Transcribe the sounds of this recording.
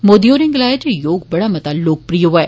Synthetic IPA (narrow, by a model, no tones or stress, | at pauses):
moːd̪ijoːɾɪ̃ŋɡlaːjet̪ejoːɡbɐɽamɐt̪aːloːk̚pɾijoʋaeː